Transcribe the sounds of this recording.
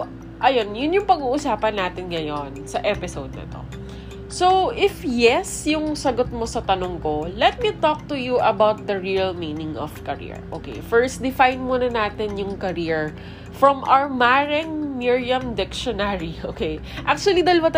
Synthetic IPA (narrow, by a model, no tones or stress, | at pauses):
ʔɐjo̞njʊnjʊŋpɐɡuːʔʊsaːpɐnːaːt̪ɪnŋɐjonsɐʔɛpɪsowd̪̚nɐ̰t̪o̞̰ | sowʔɪfjɛsjʊŋsɐɡot̪̚mo̞sɐt̪ɐnoŋkolɛt̪̚mit̪ok̚t̪ujuʔɐbawt̪̚d̪ɐɹiɐlmiːnɪ̃ŋɔ̰v̥kɐɹḭɹʔo̰ːkḛjfɛɹst̪d̪ɪfajnmunɐnaːt̪ɪnjʊŋkɐɾiɹ | fɹɔmʔa̰ɹmaɹɛŋmiɹijɐ̃md̪ɪkʃɔnaɹioːkej | ʔak̚t͡ʃuɐlid̪ɐlɐwɐt̪